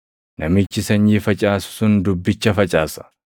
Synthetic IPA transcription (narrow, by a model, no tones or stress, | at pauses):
nɐmɪt͡ʃːɪsɐɲːiːfɐt͡ʃʼaːsʊ̥sʊnd̪ʊbːɪt͡ʃːɐfɐt͡ʃʼaːsɐ̥